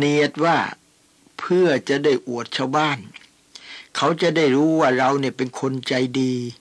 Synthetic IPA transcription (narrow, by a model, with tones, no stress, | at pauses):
ni˧˩ət̪̚waː˥˩ | pʰɯ˥˩ɐt͡ɕa˨˩ʔdaː˥˩jʔu˨˩ət̪̚t͡ɕʰaː˥˩wbaː˥˩n | kʰa˦˥wt͡ɕa˨˩da˥˩jɾuː˦˥waː˥˩ɾa˧wni˥˩ɐpe˧nkʰo˧nt͡ɕa˧jdiː˧